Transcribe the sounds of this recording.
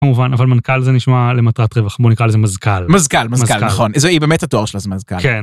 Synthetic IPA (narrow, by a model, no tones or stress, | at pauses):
kamuvanavalmankalzeniʃmale̞matʁatʁevaχbonikʁalezemazkalmazkalmazmazkalkaaχonzoibeːmethatoaʁʃelazemazkaklen